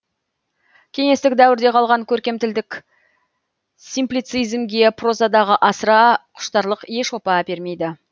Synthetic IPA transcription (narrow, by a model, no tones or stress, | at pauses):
kʲʰe̞ŋe̞st̪ɪk̚d̪æwɪɾd̪e̞qʰɑlˠʁɑŋkʲʰɵɾkʲe̞mt̪ɪld̪ɪk | sijmplijt̪sijzmɡʲe̞pʰro̞zɑd̪ɑʁəʔɑsəɾɑqʰʊ̥ʃt̪ɑɾlˠəqje̞ʃo̞pɑbe̞ɾme̞jd̪ɪ